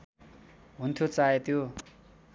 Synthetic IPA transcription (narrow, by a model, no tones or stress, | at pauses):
ɦunt̪ʰjot͡saet̪ʰjo